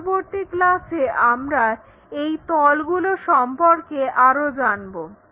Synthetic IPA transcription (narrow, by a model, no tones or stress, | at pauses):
boɾt̪iklaseʔamɾa | ejt̪ɔlɡuloʃɔmpoɾkeʔaɾod͡ʑanbo